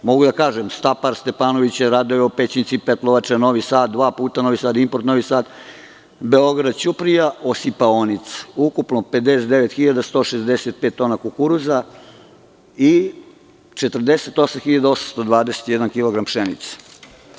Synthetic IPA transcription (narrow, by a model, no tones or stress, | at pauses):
mo̞ɡud̪akaːʒemst̪apaɾst̪epaːno̞ʋit͡ɕeɾaːd̪ojeopet͡ɕint̪sipet̪loʋat͡ʃeno̞ʋisaːt̪̚d̪ʋaːpuːt̪ano̞ʋisaːd̪impoɾt̪noʋisaːt̪ | beo̞ɡɾad̪t͡ɕupɾijaosipaonit̪sukupnoped̪eset̪d̪eʋet̪xiʎad̪ast̪o̞ːʃezd̪eset̪̚peːt̪ːo̞ːnakukuɾuza | i | t͡ʃet̪r̩d̪eset̪o̞samxiʎad̪ao̞samst̪od̪ʋaːd̪eset̪jɛd̪ankilˠoɡɾampʃenḭt̪sḁ